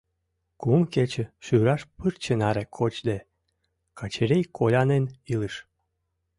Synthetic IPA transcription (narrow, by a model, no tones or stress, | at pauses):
kumket͡ɕĕʃyɾɑʃpɨrt͡ɕenɑɾekʰot͡ɕd̪e | kʰɑt͡ɕeɾejkʰolʲɑneniləʃ